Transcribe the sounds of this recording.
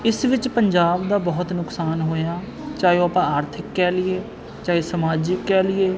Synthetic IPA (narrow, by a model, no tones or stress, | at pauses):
ɪsʋɪt͡ʃpəɲd͡ʒaːbd̪aːbɔɦʊt̪nʊksaːnɦoːjaː | t͡ʃaːjõːaːpãːaːɾt̪ʰɪkːɛːlɪeː | t͡ʃaːeːsəmaːd͡ʒɪkːɛːlɪeː